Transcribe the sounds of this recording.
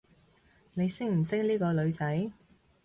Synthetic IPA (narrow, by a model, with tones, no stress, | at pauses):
ne˨˧jsɪ˥k̚m̩˨˩sɪ˥k̚liː˥kɔː˧lɵ˨˧ɥt͡sɐ˨˥j